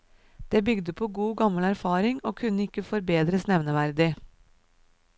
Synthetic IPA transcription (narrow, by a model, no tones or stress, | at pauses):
d̪̥eːbʏɡd̪əpʰoːɡuːɡɑməlæɾfɑːɾɪŋoːkʰʉnəɪkəfɔɾbeːd̪ɾəsnɛʋnəʋæɾd̪ɪ